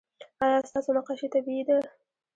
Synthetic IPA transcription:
ajɑst̪ɑsonaqɑʃet̪abid̪a

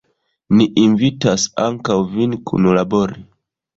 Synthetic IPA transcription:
niʔinvitasaŋkawvinkʰṵnulabo̞ɾi

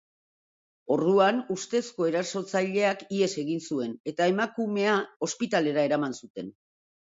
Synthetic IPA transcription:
o̞rðuanust̪e̞sko̞e̞ɾaso̞t͡saʎe̞akie̞se̞ɣinsue̞ne̞t̪ae̞makume̞ao̞spit̪ale̞ɾae̞ɾamansut̪e̞n

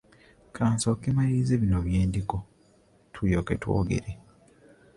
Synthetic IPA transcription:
kʰaːnsokːemajiːzeβinoβjeːndiko | tʰujokḛtwo̰ːɡḛɾe

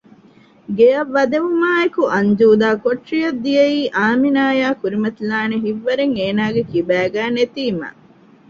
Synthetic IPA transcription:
ɡejɐʋːɐd̪eʋumaːekuʔɐɲd͡ʒuːd̪aːkoʈʂijɐd̪ːijeiːʔaːminaːjaːkuɾimɐt̪ilaːneɦiʋːɐɾeŋeːnaːɡekibæːɡæːnet̪iːma̰

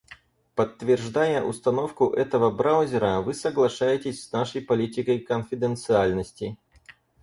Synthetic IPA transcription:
pət̪ːvʲɪrʐd̪ajəʔʊ̰st̪ɐno̞fkʊʔɛt̪əvəbɾaʊzʲɪɾəvɨsəɡlˠɐʂajɪtʲɪsʲsnaʂəjpɐlʲitʲɪkəjkənfʲɪd̪ənt̪sɨalʲnəsʲtʲɪ

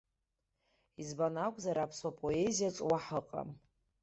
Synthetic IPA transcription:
izbanakʷʼzaɾapʰswapʼoe̞zijat͡sʼwaħəqʼa̰m

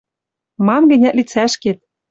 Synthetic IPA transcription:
mɑmɡɘ̆nʲæt̪lit͡sæʃket̪̚

